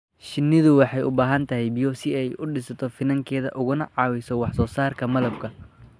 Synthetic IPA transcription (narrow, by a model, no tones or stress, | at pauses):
ʃɪnːɪðʊwɑħɑjʊbaːɦɐnt̪ʰɐɦɛjbijɔːsɪɛjʔʊɖɪsɐt̪ʰɔfɪnɐŋkʰɛːðɐ̰ʔʊɣʊnɐʕɑːwɛsɔwɑħsɔːsaːrkʰɐmɐlɐb̚kʰɐ